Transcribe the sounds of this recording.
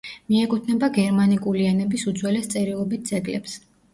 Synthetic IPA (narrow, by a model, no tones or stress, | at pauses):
miɛkʼut̪ʰnɛbaɡɛɾmanikʼulianɛbisud̪zwɛlɛst̪sʼɛɾilˠɔbit̪̚d̪z̥ʼɛɡlɛps